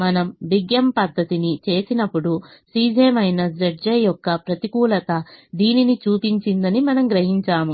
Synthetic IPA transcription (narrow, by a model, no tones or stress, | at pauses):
mɐnɐmʋ̪iɡjɐmpɐd̪ʱːɐt̪init͡ʃe̞ːsinɐpːuɽusiːd͡ʒeːmɐjnɐd͡ʒɐʈ̚d͡ʒɐjɔkːɐpɾɐt̪ikuːlɐt̪ɐd̪iːninit͡ʃuːpiɲt͡ʃind̪ɐnimɐnɐmɡɾɐɦiɲt͡ʃaːmu